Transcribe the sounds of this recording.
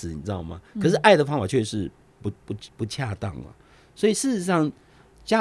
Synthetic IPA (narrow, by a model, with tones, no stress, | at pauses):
ni˨ʈ͡ʂɻ̩˥d̪ɑ˥˩ʊmɐ̰˨˩kʰɤ˨˩ʂɻ̩˥˧ʔa˥˩ɪd̪ə˩fɑ˥ŋfa˨˩t͡ɕʰɥɛ˥˧˩ʂɻ̩˥˩ | pu˧˥pu˧˥pu˧˥t͡ɕʰja˥˧t̪ɑ̰˥˩ŋlɐ̰˨˩ | swɔ˧˥i˨˩ʂɻ̩˥˧ʂɻ̩˧˥ʂɑ˥˩ŋ | t͡ɕja˦˥